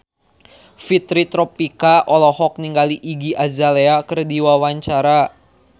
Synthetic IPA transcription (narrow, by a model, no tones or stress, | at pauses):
fit̪ɾit̪ɾɔpikaʔɔlɔhɔk̚niŋɡaliʔiɡiʔazaleakərdiwawaɲt͡ʃaɾa